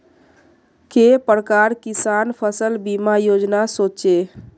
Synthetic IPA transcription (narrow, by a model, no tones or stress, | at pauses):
kepɾəkaɾkisanpʰəsəlbimajod͡ʒnasot͡ʃe